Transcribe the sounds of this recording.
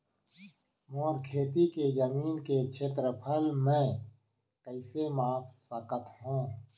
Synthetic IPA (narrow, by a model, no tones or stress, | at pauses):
moːɾkʰeːt̪iked͡ʒəmiːnket͡ʃʰeːt̪ɾəpʰəlmẽː | kəɪsemaːksəkət̪ɦũː